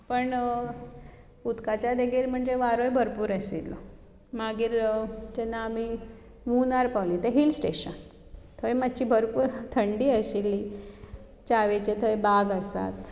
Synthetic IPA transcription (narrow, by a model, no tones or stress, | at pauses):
pəɳ | ut̪kat͡ɕjad̪eɡiɾm̤əɳd͡zeʋaɾojbʱəɾpuːɾəsit̪lɔ̰ | maɡiːɾd͡ʑɛnːaːmi | munaɾpawlĩt̪eɦilsʈeɕən | t̪ʰojmat̪ːɕiːbʱəɾpuːɾt̪ʰəɳɖiːəɕilːi | t͡ɕaʋet͡ɕet̪ʰəjbaɡəsa̰t̪